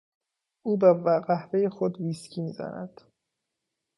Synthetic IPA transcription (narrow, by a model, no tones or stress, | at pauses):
ʔuːbævæɢæhvejexod̪viːscʰiːmiːzæ̰næ̰d̪̥